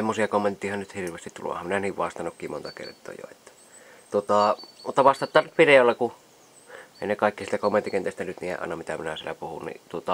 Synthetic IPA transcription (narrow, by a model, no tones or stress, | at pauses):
semːosiɑkomːent̪ːiːhɑnnyt̪hirʋˑeːst̪it̪t̪ulo̰hɑminæniːʋʋɑst̪ɑnokːiːmont̪ɑkḛrt̪ˑo̰ːjo̰et̪ːæ̥ | t̪uot̪ɑˑmut̪ːɑʋɑst̪ɑt̪ːˑɑːnnyt̪ʋireolːɑku | ʔeˑinekɑˑikːisilt̪ækomːent̪ːikent̪eˑst̪ænyt̪niːḛʔɑ̰ˑenɑmit̪æminæsiḛlːæ̰puhṵnnḭt̪uot̪ɑ